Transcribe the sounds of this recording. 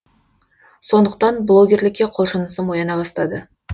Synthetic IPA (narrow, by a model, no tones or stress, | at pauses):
so̞nd̪əqt̪ɑnblˠo̞ɡʲe̞rlɪkʲːe̞qʰo̞lˠʃənəsəmo̞jɑnɑbɑst̪ɑd̪ə